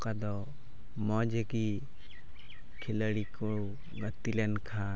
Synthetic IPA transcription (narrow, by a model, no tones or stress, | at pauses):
kad̪ɔ | mɔd͡ʒeki | kʰiləɽiku | ɡət̪ilenkʰa